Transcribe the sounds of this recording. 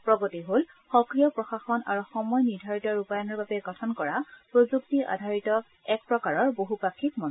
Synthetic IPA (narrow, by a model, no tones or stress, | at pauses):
pɹɔɡotiɦol | xɔkɹijɔpɹɔxaxɔna̰ɹuxɔmɔjniɹdʱaɹitɔɹupajɔnɔɹbabɛɡɔtʰɔnkɔɹapɹozuktiʔa̰dʱaɹitɔ | ɛk̚pɹɔkaɹɔɹboɦupakʰːik̚mɔn